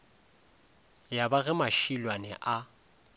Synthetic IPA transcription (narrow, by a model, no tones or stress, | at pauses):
jabaɣɛmaʃilwanɛ̰ʔa